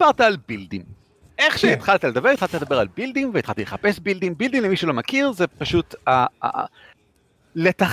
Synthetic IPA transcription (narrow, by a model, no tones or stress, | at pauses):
aʁt̪aːlbildḭm | ʔeχʃeːt̪χalt̪aled̪ɐbe̞it̪χalt̪aled̪ɐabe̞ʁalbild̪imveit̪χalt̪ileχapesbild̪imbild̪imlemiʃulo̞makiʁzepaʃut̪a̰ | let̪aχ